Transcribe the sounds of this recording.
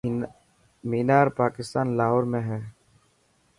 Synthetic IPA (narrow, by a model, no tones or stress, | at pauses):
miːnaːɾpaːkɪst̪aːnlaːɦoːɾmẽɦɛː